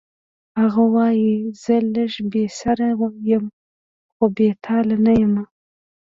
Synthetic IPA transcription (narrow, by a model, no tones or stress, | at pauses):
haɣawɑjiz̥ələʒbesaɾajəm | xobet̪ʰɑlanajəma